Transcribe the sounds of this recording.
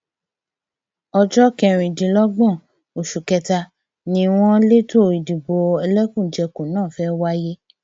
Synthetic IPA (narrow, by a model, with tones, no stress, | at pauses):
ɔ˧d͡ʒɔ˦kɛ˧ɾ̃ĩ˨dĩ˨lɔ˦ɡ͡bɔ̃˦˨ | o˨ʃu˨kɛ˧ta˧ | nĩ˧w̃ɔ̃˦le˦to˦˨i˨di˨bo˨˧ɛ˧lɛ˦kũ˦˨d͡ʒɛ˧ko˨nãː˦˨fɛ˦wa˦je˦